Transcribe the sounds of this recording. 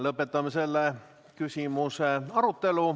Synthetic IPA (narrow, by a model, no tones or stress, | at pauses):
lɤpːet̪ːˑɑmːese̞lːe | kysʲimuseɑɾut̪ːe̞lu